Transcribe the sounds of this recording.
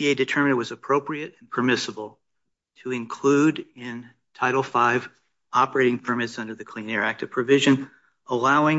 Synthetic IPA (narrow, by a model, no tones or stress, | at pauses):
ieɪdɨtʰɜ˞mɨ̃nɨwʌzəpʰɹ̥oʊpɹiɨɾɨ̃npʰə˞mɪsəbl̩ˠ | tʰɨɨ̃nkʰl̥uɾɪ̃n | tʰaɪɾl̩ˠfaɪv | ɑpə˞eɪɾɪ̃ŋpʰə˞mɨtsʌ̃ndə˞ðɨkʰl̥ĩnɛɹæk̚tʌv̥pʰɹ̥ɨvɪʒɨ̃n | əlaʊɪ̃ŋ